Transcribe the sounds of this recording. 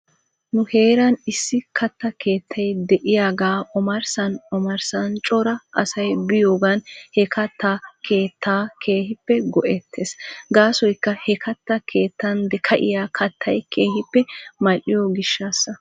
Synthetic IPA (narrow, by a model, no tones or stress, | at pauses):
nʊhe̞ːɾɐnɪsːɪkʰɐt̪ːɐkʰe̞ːt̪ʰːɐjd̪ɛʔɪjaːɡaːʔɔmɐɾsɐnɔmɐɾsɐnt͡ʃʼɔɾɐʔɐsɐjbɪjoːɡɐnhɛkʰɐt̪ːaːkʰe̞ːt̪ːaːkʰe̞ːhɪpːɛɡɔʔɛt̪ʰːeːsɡaːsɔjkːɐhɛkʰɐt̪ːɐkʰe̞ːt̪ːɐnd̪ɛkʰɐʔɪ̰jaːkʰɐt̪ʰːɐjkʰe̞ːhɪpːɛmɐlːɪjoɡɪʃːaːsːɐ